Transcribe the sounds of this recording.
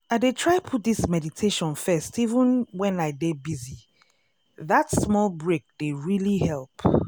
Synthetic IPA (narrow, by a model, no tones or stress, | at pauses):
aɪdetʰɹ̥aɪpʰut̚ðismɛditʰeʃɔ̃nfɛstʰivə̃nwɛ̃naɪdebizi | ðatsmɔlˠbɹek̚d̥eɹilihɛlˠp